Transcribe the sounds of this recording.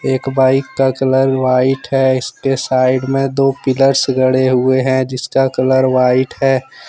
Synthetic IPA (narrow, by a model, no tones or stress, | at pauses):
eːkbaːɪkːakələɾʋaːɪʈɦɛɪskesaːɪɖmẽd̪oːpɪləɾsɡʱəɽeɦʊeɦɛ̃d͡ʒɪskakələɾʋaːɪʈɦɛː